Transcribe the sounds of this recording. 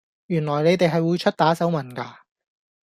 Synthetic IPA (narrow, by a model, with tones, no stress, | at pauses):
jyː˨˩nlɔː˨˩jne˨˧jt̪e˨jɦɐ˨jwuː˨˧jt͡ʃʰɵ˥t̚t̪aː˨˥sɐ˨˥wmɐ˨˩nkaː˧